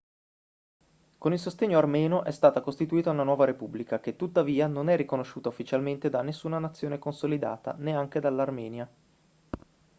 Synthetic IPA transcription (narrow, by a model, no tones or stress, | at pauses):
konilsost̪eɲːoarmɛːnoʔɛst̪aːt̪akost̪it̪uiːt̪aunanwɔːvaɾepublikak̟et̪ːut̪ːaviːanonɛrːikonoʃːuːt̪aufːit͡ʃalment̪ed̪anːesːuːnanat̪sːjoːnekonsolid̪a̰ːt̪a̰neaŋk̟ed̪alːarmɛːnja